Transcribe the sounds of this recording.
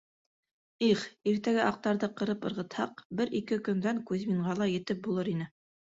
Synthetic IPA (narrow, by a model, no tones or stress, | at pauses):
iχiɾt̪æɡæʔɑq̚t̪ɑɾðɤqɤ̆ɾɤpɤ̆ɾʁɤ̆t̪hɑqbɘɾikɘkɵ̆nd̪æŋkʉðmiɴɢɑlˠɑjɘ̆t̪ɘp̚bulˠɤɾin̪ɘ